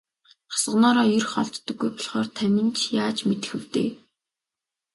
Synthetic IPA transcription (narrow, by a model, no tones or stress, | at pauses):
χḁsə̆nɔːɾɔːjɵrχɔ̰ɮt̪ːɞ̆ɡːujpɔɮχɔːrt̪ʰæmɪ̆nt͡ɕjaːt͡ɕmet̪ɘ̆xɘ̆w̥t̪ḛː